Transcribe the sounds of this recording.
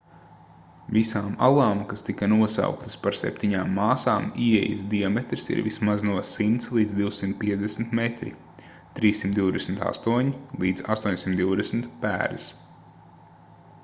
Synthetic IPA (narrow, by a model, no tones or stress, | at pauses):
visaːma̰lˠaːmkast̪ikɐnuɔsa̰ʊwkt̪ɨ̥spaɾsɛ̰p̚t̪iɲaːmːaːsaːmiɛ̰jə̰sd̪iɔmɛt̪ɾisḭɾvḭsmaznuɔsimt̪slˠiːd̪zd̪iwsimt̪̚piɛd̪esm̩t̪met̪ɾḭ | t̪ɾiːsːimt̪d̪iwd̪ɛsm̩t̪a̰st̪uɔɲilˠiːd̪zast̪uɔɲʲsimt̪d̪iʊwd̪ɛsmt̪pæ̰ːɾɨs